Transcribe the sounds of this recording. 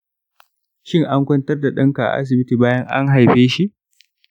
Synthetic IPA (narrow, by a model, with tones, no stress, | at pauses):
ʃɪ˦˨ŋʔa˦ŋkʷɔ˦ntɐ˦rda˨ɗɐ˦ŋka˨ʔa̰˨ʔa̰˦s̬ɪ˨bɪ˦tiː˨baː˦jɐ˦ŋʔa̰˦ŋɦa˨jɸeː˦ʃi˦ʔ